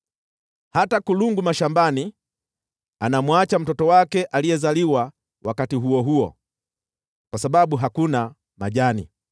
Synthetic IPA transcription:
hatakuluŋɡumaʃambani | anamwat͡ʃam̩tɔtɔwakɛʔaliɛzaliwa | wakatiɦuɔɦuɔ̰ | kwasaɓaɓuɦakuna | ma̰ʄanḭ

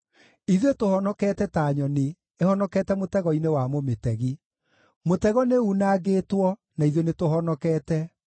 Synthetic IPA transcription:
iðetohɔnɔkɛːtɛtaːɲɔne | ehɔnɔkɛtɛmotɛɣɔinewamometɛɣi | motɛɣɔneunaːɡeːtwɔnaiðonetoɦɔnɔkɛːtɛ

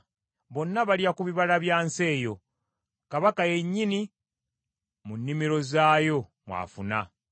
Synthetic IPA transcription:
βo̞nːaβaliakuβiβalaβjaːnse̞ːjo̞ | kaβakaje̞ɲːini | munːimiɾo̞zaːjo̞ | mwa̰funa

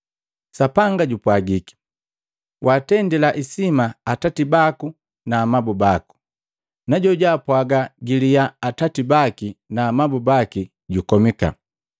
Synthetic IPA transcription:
sapaŋɡaɟupwaɡiki̥ | wʔaːtɛndɛlaʔisimaːtatibaku | naːmabubaku̥ | naɟɔɟaːpwaɡaɡilijaːtatibakinaːmabubaki | ɟukɔmika̰

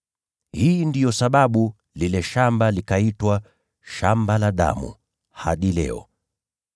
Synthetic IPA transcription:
hiːndijɔsaɓaɓu | lilɛʃambalikaitwa | ʃambalaɗa̰mṵ | haɗilɛ̰ɔ̰

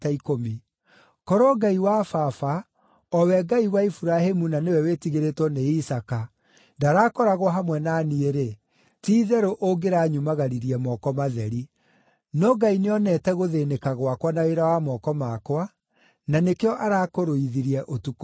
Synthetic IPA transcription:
taikomi | kɔɾɔɡaiwafafa | ɔwɛɡaiwaifuɾahemunanewɛwetiɣeɾetwɔneisaka | ndaɾaːkɔɾaɣwaɦamwɛnanieɾe | tiːðɛɾoʔoɡeɾaɲumaɣaɾiɾiɛmɔkɔmaðɛɾi | nɔɡaineɔnɛtɛɣoðenekaɣwakwanaweɾawamɔkɔmakwa | nanekeɔʔaɾakoɾoiðiɾiɛʔotuk

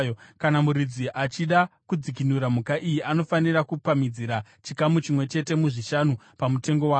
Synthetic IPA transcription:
jokanamuɾid͡ziʔat͡ʃiɗakud͡zik̬inuɾamukaʔijiʔano̞fanirakupamid͡ziɾa | t͡ʃikamut͡ʃimwe̞t͡ʃe̞te̞muʐiʃanu | pamute̞ŋɡo̞wa

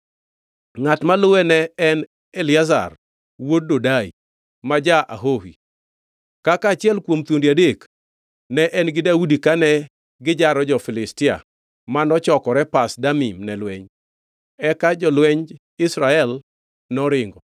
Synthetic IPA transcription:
ŋatmalʊwɛnɛɛn | elɪaza̰r | wod̚dodaḭ | mad͡ʒaʔa̰ɦohḭ | kakaːt͡ʃɪjɛlkwomt̪wondiadek | nɛʔɛnɡɪdaudikanɛ | ɡɪd͡ʒaɾɔd͡ʒɔfɪlɪstɪa̰ | manɔt͡ʃɔkɔɾɛpasdamimnɛlwɛɲ | ɛkad͡ʒɔlwɛɲ | ɪsɾaɛl | nɔɾɪŋɡɔ

